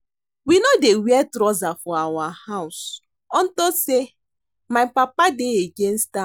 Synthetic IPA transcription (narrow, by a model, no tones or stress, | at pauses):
winodewɛtɾɔzafɔawahaʊs | ɔn̩tɔse | maɪpapadeeɡen̩sta